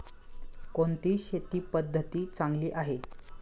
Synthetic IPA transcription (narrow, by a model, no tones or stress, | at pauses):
koɳt̪iːɕet̪iːpəd̪ʱːət̪iːt͡saŋɡliːʔaɦe